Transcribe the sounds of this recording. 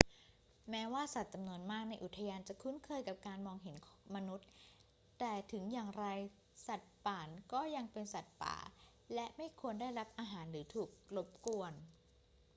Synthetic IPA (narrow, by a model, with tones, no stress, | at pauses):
mɛː˦˥waː˥˩sa˨˩t̪̚t͡ɕa˧mnu˧ənmaː˥˩k̚na˧jʔu˨˩t̪ʰːa˧jaː˧nt͡ɕa˨˩kʰu˦˥nkʰɤː˧jka˨˩p̚kaː˧nmɔː˧ŋɦe˩˦nkʰma˧nu˦˥t̪̚ | t̪ɛː˨˩t̪ʰɯ˩˦ŋjaː˨˩ŋɾa˧j | sa˨˩t̪̚paː˨˩nkɔː˥˩ja˧ŋpe˧nsa˨˩t̪̚pa̰ː˩˦ | lɛ˦˥ʔma˥˩jkʰu˧əndaː˥˩jɾa˦˥p̚ʔaː˧ɦaː˩˦nɾɯː˩˦t̪ʰuː˨˩k̚lo˦˥p̚ku˧ən